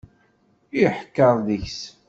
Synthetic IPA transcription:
iħəkːəɾˤðəçs

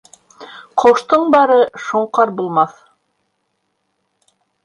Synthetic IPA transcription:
qʰoʃt̪ɤɴbɑɾɤʃuɴqɑɾbulˠmɑθ

